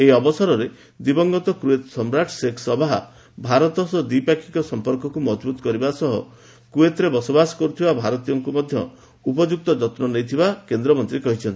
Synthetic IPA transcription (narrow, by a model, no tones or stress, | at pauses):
eiɔbɔsɔɾɔɾe | d̪ibɔŋɡɔt̪ɔkɾuet̪sɔmɾaʈʰseksɔbaɦ | bʱaɾɔt̪ɔsɔd̪ipakʰi̥kɔsɔmpɔɾkɔkumɔd͡ʒbut̪ɔ̥kɔɾibasɔɦɔ̰ | kɾuet̪ɔɾebɔsɔbasɔ̥kɔɾut̪ʰibabʱaɾɔt̪ijɔŋkumɔd̪ʱjɔ̰ | upɔd͡ʒuk̚t̪ɔd͡ʒɔt̪nɔnejt̪ʰibakend̪ɾɔmɔnt̪ɾikɔɦit͡ʃʰɔnt̪i̥